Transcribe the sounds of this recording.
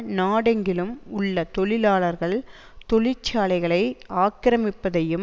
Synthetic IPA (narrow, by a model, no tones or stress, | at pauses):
naːɽɐŋɡɪlɯmʊɭːɐt̪ɔɭɪlaːɭɐɾɣɐɭ | t̪ɔɭɪt͡ʃːaːlɐɪɣɐɭɐɪaːkːɪɾɐmɪpːɐðɐjɯm